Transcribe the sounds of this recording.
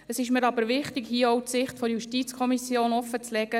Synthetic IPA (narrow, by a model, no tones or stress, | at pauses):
əsɪʃmɪɾɑbəɾʋɪχtɪɡhiəɔwtsɪχtfɔɾjuʃtiːt͡skʰɔmisjoːnɔfət͡slɛɡə